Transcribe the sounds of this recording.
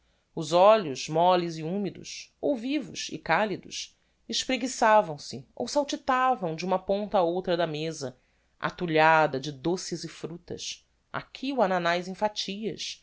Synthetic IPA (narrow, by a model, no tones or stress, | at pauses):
ʊzɔʎʊzmɔlɪziũmid̪ʊ̰sowvivʊʃɪ̰kalid̪ʊʃ | ɪʃpɾeɡisavɐ̃w̃sɪo̰wsawt͡ʃit̪avɐ̃w̃d͡ʒɪũmɐpõnt̪ɐaowt̪ɾɐd̪ɐmezɐ | ʔa̰t̪uʎad̪ɐd͡ʒɪd̪osɪzɪfɾut̪ɐ̰s | a̰kʲʰiuananajzĩfat͡ʃiɐ̰s